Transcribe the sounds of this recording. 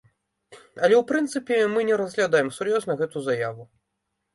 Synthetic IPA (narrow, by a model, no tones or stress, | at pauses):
ɐlʲɛwpɾɨnt̪sɨpʲɛmɨnʲɛɾɐzɣlʲad̪ajɛmsurjɔznɐɣɛt̪uzajavu